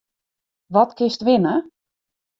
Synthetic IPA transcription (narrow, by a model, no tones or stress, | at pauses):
ʋɔtkɪstʋɪnə